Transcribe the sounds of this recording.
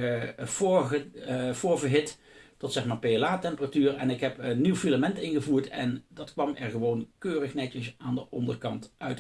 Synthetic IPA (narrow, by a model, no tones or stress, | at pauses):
voːɹəv̥ʊːɹvəɦɪt | tɔtsɛxmaːɹpeəlaːtɛmpəratyːrɛnɪkɦɛpənːiwfiləmɛntɪnɣəvuːɹtɛ̰ndɑtkʋɑmɛɹχəʋownkøːrəxnɛtəsaːndəʔɔndərkɑntʔœɥt